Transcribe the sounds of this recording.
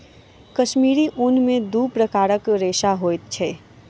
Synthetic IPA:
kɐʃmiːɾiʔʊnmẽd̪uːpɾəkaːɾəkɾeːʃaɦoːt̪̚t͡ʃʰɛː

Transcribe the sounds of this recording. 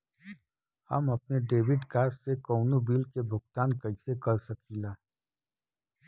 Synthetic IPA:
hɐ̰mɐp̚neɖeːʋɪɖkaːssekɔːnubiːlkebʱʊɡ̚t̪aːnkɐisekɐɾsɐkʰiːlaː

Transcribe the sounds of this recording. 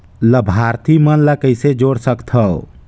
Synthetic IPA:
ləbʱaɾt̪imənləkəjsed͡ʒoɽsəkt̪ʰəw

